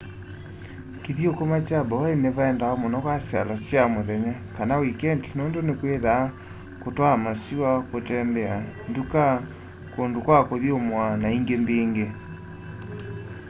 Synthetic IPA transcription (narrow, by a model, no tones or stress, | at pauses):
kiðiokomat͡ʃabɔeneβaɛndaɔmɔnɔkwasja̰lasjamoðɛɲakanawikɛntnoːndonekweða | kotwamasiwakotɛmbɛanduka | kondokwakoðiomwanaiŋɡembeːŋɡe